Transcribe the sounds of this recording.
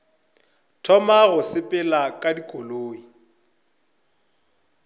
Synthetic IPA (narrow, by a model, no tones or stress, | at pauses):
tʰɔmaɣʊsɪpʼɪlakʼadikʼoloːi